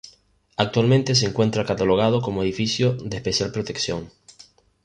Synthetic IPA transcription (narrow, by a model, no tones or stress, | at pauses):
ak̚t̪walment̪e̞s̬eːŋkwe̞nt̪ɾakat̪alo̞ɣ̞að̞o̞ko̞moeðifisjoðehpesjalpɾot̪e̞ksjoŋ